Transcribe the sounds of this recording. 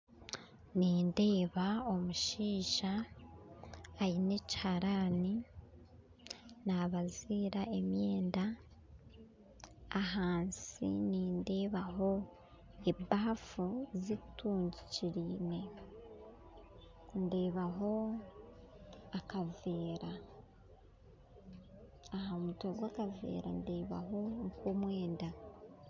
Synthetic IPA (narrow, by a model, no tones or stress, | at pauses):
niːnde̞ːβao̞muʃiːʃa | ɾinechaɾaːni | naβaziːɾae̞mjeːnda | ɦaːnsḭniːnde̞ːβaɦo̞ | ebaafuzituːɲɟiciɾiːne̞ | ndeːβaɦo̞ | akaveːɾa | ɦamutoɡwaːkavḛːɾa̰ndeːβa̰ɦo̞ŋkumwe̞ːnda